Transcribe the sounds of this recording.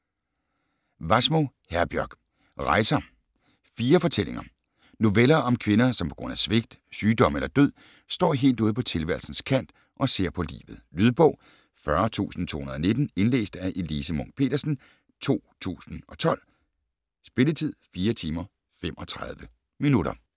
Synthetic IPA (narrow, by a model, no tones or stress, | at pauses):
ʋɑsmo̝ | hæɐb̥jœɐɡ̥ | ʁɑ̈ɪsɐ | fiːɐfɒ̽t͡sʰel̰eŋɐ | no̝ʋelɐɒ̽mkʰʋe̝nɐsɒ̽mpʰɒ̽ɡ̥ʁɔ̽n̰æsʋe̝ɡ̥̚d̥syːd̥ɒ̽melɐd̥øð̰ˠ | sd̥ɒ̰ːɦe̝̰ːld̥uːðˠpʰɒ̽t͡sʰe̝lʋæɐlsn̩skʰæn̰d̥ | ʔɒ̽se̝ɐ̰pʰɒ̽lḭːʋð̞̩ˠlyðˠb̥ɔ̽ʊ | fɶɐt͡sʰṵːsn̩t͡sʰo̝̰ːhunɐð̩ˠne̝d̥n̩e̝nlḛːsd̥æʔe̝lisəmɔ̽ŋ̰̚pʰe̝̰ːd̥ɐsn̩ | t͡sʰo̝̰ːt͡sʰṵːsn̩ɒ̽t͡sʰɒ̽l̰ | sb̥e̝lət͡sʰið̰ˠfiːɐt͡sʰiːmɐ | fem̰ɒ̽t͡sʰʁað̞ˠʋə | minuɾ̥ɐ̰